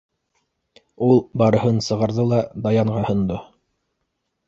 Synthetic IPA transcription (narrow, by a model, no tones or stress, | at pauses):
ulˠbɑɾɤ̆ɦɤnsɤ̆ʁɑɾðɤlˠɑd̪ɑjɑɴʁɑhɤ̆nd̪o